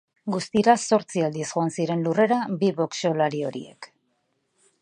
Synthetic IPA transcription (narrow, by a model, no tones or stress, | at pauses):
ɡust̪iɾaso̞ɾt͡siald̪iesɣo̞ansiɾe̞nlure̞ɾabiβo̞kso̞laɾio̞ɾḭe̞̰k